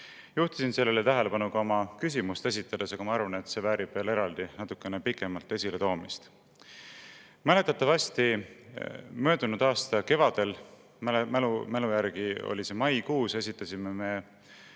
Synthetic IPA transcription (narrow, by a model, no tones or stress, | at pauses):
juht̪isinse̞lːelet̪æɦe̞le̞pɑnukɑo̞mɑkys̬ʲimust̪e̞sʲit̪ˑːɑd̪̥e̞sɑɡ̥ɑmɑɑɾvɑne̞t̪se̞væːɾib̥ve̞ːle̞ɾɑld̪̥inɑt̪ːˑukːˑe̞nepikːˑe̞mɑlt̪ːˑe̞sʲile̞t̪o̞ːmist̪ | mæle̞t̪ːˑɑt̪ːˑɑvɑsʲt̪i | mø̞ːd̪unud̪̥ɑːst̪ɑke̞vɑd̪̥e̞l | mmmelujæɾɡ̥io̞̰lʲise̞mɑjkuːse̞sʲit̪ːˑɑsime̞me̞